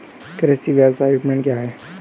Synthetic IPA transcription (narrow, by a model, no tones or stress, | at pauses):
kəɾəssiʋjasaiʈmẽɳʈkjaɦɛː